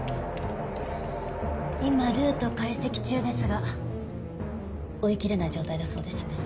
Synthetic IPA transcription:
imaɾɯ̟ːt̪o̞kaise̞kʲi̥t͡ɕɨːd̪e̞sɨɡa | o̞ikʲiɾe̞naid͡ʑo̞ːt̪aid̪aso̞ːd̪e̞sɨ̥

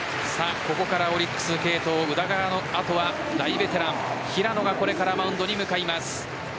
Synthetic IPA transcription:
sako̞ko̞kaɾao̞ɾʲikːɯ̟̥sɨke̞ːt̪o̞ːɯ̟d̪aɡanoat̪o̞βa | d̪aibe̞t̪e̞ɾãŋ̃çiɾano̞ɡako̞ɾe̞kaɾamaɯ̟̃nd̪o̞ɲ̟imɯ̟kaimasɨ̥

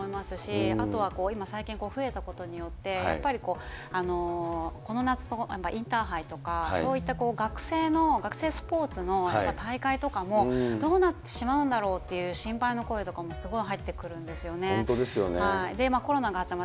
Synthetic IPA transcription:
oimasɨɕia̰t̪o̞β̞ako̞ːimasaikʲĩŋko̞ːɸɯ̟e̞t̪ako̞t̪oɲ̟ijo̞t̪ːe̞j̰a̰pːaɾʲiko̞ː | ano̞ko̞no̞nat͡sɨ̥t̪o̞japːaʔĩnt̪aːɦait̪o̞kaa̰so̞ːit̪ːako̞ːɡakɯ̟̥se̞ːno̞ɡakɯ̟se̞ːsɨ̥po̞ːt͡sɨno̞japːat̪aikait̪o̞kamo̞dd̪o̞ːnat̪ːe̞ɕimaɯ̟̃nd̪aɾo̞ːt̪ːe̞jɯ̟ːɕĩmpaino̞ko̞et̪o̞kamo̞sɨɡo̞iɦait̪ːe̞kɯ̟ɾɯ̟̃nd̪e̞sɨjo̞ne̞t̪od̪esɨjo̰nehaid̪e̞mako̞ɾo̞naɡat͡ɕama

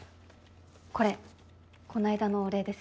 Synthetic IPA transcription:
ko̞ɾe̞ | ko̞naid̪ano̞ɾe̞ːd̪e̞sɨ̥

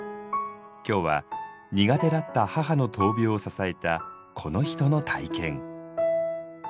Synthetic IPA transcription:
kʲo̞ːβa̰ | ɲ̟iɡat̪e̞ɾat̪ːahaɦano̞t̪o̞ːbʲio̞sasae̞t̪a | kʰo̞no̞çi̥t̪o̞no̞t̪ʰaikẽ̞ŋ

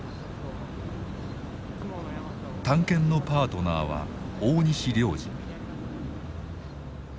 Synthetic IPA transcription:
t̪ãŋkẽ̞nːo̞paːt̪o̞na̰ːβa̰oːɲ̟iɕiɾʲo̞ːʑḭ

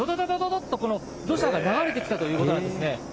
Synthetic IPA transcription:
od̪od̪od̪od̪od̪ot̪ːoko̞no̞ | d̪o̞ɕaɡanaɡaɾe̞t̪̬e̞kʲi̥t̪at̪o̞jɯ̟ːko̞t̪oãd̪sɨne̞

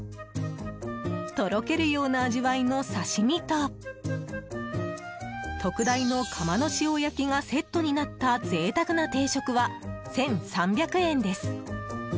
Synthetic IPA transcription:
ɯ̟̥t̪o̞ɾo̞ke̞ɾɯ̟jo̞ːnaːʑiβaino̞saɕimʲit̪o | t̪o̞kɯ̟d̪aino̞kʰamano̞ɕiojakʲiŋase̞t̪ːoɲ̟inat̪ːaze̞ːt̪akɯ̟nat̪e̞ːɕo̞kɯ̟βasẽ̞ɰ̃sãmbʲakɯ̟ẽ̞nd̪e̞sɨ̥

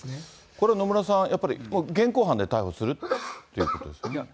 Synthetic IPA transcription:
koɾeanomɯnasãŋjʔapːaɾʲḭmoɡẽŋkoːɦãnd̪e̞t̪aihosɨɾɯːojiɯ̰ːkot̪od̪esn

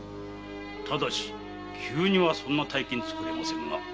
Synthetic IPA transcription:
t̪ʰad̪aɕi̥ | kʲʰɨːɲ̟iβasõ̞nːat̪aikẽɲ̟it͡sɨ̥kɯ̟ɾʲema̰sẽ̞ŋɡa̰

